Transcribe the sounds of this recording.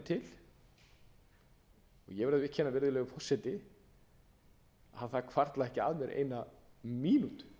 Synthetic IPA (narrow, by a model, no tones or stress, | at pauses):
t̪ʰɪl | ɔ̰jɛvɛɾðʏɪhcʰːhɛnːavɪɾðʏlɛːɣʏpʰɔsːɛt̪ɪ | aðθakʰv̥aɾt̪laɛhcɪa̰ðmjɛɾʔḛːjnamiːnut̪